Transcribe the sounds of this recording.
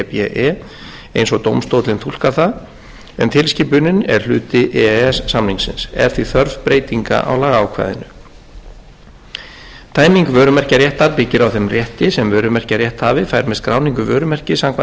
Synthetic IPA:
ɛpɛʔɛ | ejnsɔɣt̪owmst̪owt̪lɪnt̪ʰulkaθa | ɛnt̪ʰɪlsciːpʏnʏnɛ̰ɾ̥l̥ʏːt̪ɪʔɛɛsːamniŋsɪ̰nsɛ̰ɾ̥θviθœɾvpɾeːjt̪iŋka̰ʔa̰wlaːɣaːwkʰva̰ːjðɪ̰nʏ | t̪ʰaːjmiŋkvœːɾʏmɛr̥caɾjɛht̪aɾpɪcːɪɾawθɛmrjɛht̪ɪsɛmvœːɾʏmɛr̥caɾjɛht̪haːvɪfajɾmɛðskɾaːwniŋkʏvœːɾʏmɛr̥cɪsaŋkʰva

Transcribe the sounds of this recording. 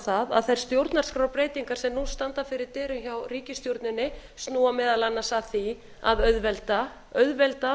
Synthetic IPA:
θaða̰ðθajɾ̥st̪jowɾt̪naɾ̥skɾawpɾeːjt̪iŋkaɾ̥sɛmnust̪ant̪afɪɾɪɾt̪ɪːɾʏmçawriːcɪst̪jowɾt̪nɪnːɪst̪nuːamɛːðalanːasaθi | a̰ðœðvɛlt̪a | œðvɛlt̪a

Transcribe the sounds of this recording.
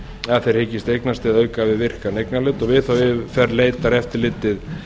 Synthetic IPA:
aθejɾ̥hɪːcɪst̪ejknast̪ɪðœːɥkavɪðvɪr̥kanejknalœːt̪ɔɣvɪðθawvɪðfɛrleːjt̪aɾɛft̪ɪɾlɪːt̪ːɪð

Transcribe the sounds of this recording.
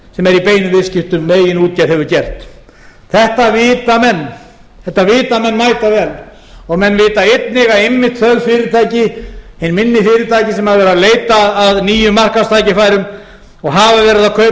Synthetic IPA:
sɛmɛɾipeːjnʏvɪscɪht̪ʏmːeːjɪnuːt̪̚cɛðɦɛvʏɾcɛr̥t̪ | θɛht̪avɪːt̪amɛnː | θɛht̪ːavɪːt̪amɛnːmaːjt̪avɛl | ɔɣmɛnːvɪːt̪aet̪nɪɣaejmːɪht̪θœðlfɪɾɪɾt̪ʰaːjcɪhenmɪnːɪfɪːɾɪɾt̪ʰaːjcɪsɛmhaðvɛːɾaðleːjt̪aːðniːjʏmːar̥kḁst̪ʰaːjcɪfaːjɾʏm | ɔɣɦaːvavɛːɾɪðakʰœ

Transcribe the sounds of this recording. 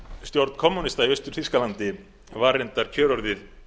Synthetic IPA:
st̪jowɾt̪n̥kʰɔmːunist̪aiœst̪ʏɾ̥θiskalant̪ɪ | vaːɾɛnt̪aɾ̥cʰœːɾɔɾðɪð

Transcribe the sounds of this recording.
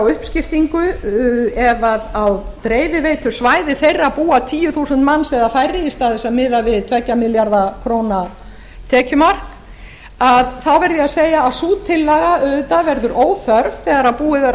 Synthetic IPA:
wʏhpscɪft̪iŋkʏ | ɛvaðawt̪ɾeːjvɪveːjt̪ʰʏsvaːjðɪθejrːapuːat̪ʰiːjʏθuːsʏnt̪manːsɛːðafajrːɪist̪aθɛsamɪːðavɪðt̪ʰvɛcːamɪljaɾðakʰɾoːwna | t̪ʰɛːcʏmaɾ | aðθawvɛɾðɪaðseːjaːsuːt̪ʰːɪlːɛɣaœðʏt̪avɛɾðʏɾʔoːwθœɾvθɛːɣaɾaðpuːɪθɛ

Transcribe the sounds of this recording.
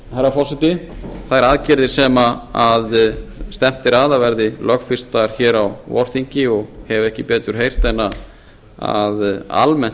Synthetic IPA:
hajɾafɔ̥sɪt̪ɪθaðɛɾaðcɪɾðɪɾ̥sɛːmaaðst̪ɛm̥t̪ɪɾaðavɛɾðɪlœxfɪr̥st̪aɾ̥çɛːɾawvɔ̰ɾ̥θiɲcɪɔɣhɛvɛhcɪpɛːt̪ʏɾ̥ɦejr̥t̪ɛnːa | a̰ða̰lmɛn̥t̪

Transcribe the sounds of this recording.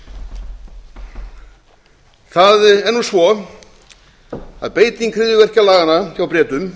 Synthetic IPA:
θaðɛnːusvɔ | a̰ðpeːjt̪iŋkʰɾɪðjʏvɛr̥calaːɣanaçawpɾɛːt̪ʏm

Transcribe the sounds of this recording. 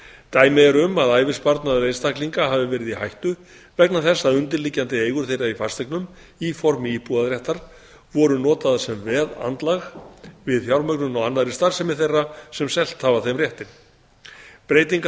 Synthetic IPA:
t̪aːjmɛɛɾʏmaðaːjvɪspaɾt̪naðɾejst̪ahkliŋkaɦaːvɪvɛːɾɪðihajht̪ʏ | vɛknaθɛsːaðʏnt̪ɪɾlicːant̪ɪeːjɣʏɾθejɾaifast̪ɛknʏm | ifɔɾmɪihpuðaðɾjɛht̪aɾ̥ | vɔɾʏnɔːt̪aðasɛmvɛːða̰nt̪laɣvɪðfjawɾmœknʏnawanːaðɾɪst̪aɾsɛmɪθejrːasɛmsɛl̥t̪haːvaθejmrjɛht̪ɪn | pɾeːjt̪̬iŋk

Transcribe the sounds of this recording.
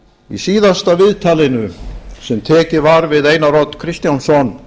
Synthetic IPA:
ḭsiːðast̪avɪðt̪ʰaːlɪnʏsɛmt̪ʰɛːcɪvaɾvɪðeːjnaɾɔt̪kʰɾɪst̪jansɔn

